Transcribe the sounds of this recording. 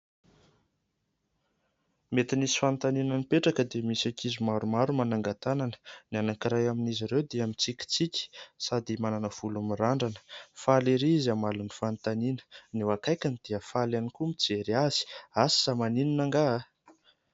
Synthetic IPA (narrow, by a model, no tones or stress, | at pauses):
met̪inisi̥fant̪aninənipeʈ͡ʂakəd̪emisakʰizimaɾumaɾumanaŋɡat̪ananə̥nianakiɾajaminiziɾewd̪eamint͡sikʲi̥t͡sikʲə̥sad̪imananəv̥ulumiraɳɖ͡ʐanə̥faliɾizamalunifant̪aninə̥niwakajkʲanid̪̥eəfalanikumit͡seɾiaz̥i̥asi̥zamanininaŋɡaɦa